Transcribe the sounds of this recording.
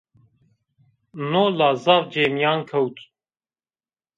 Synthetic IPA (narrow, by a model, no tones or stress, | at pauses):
noːlaːzavd͡ʒeːmjaːnkʰɐwt̪ʰ